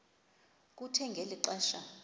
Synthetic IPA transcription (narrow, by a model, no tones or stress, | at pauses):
k̬utʰɛŋɡʱeliǃɛːʃa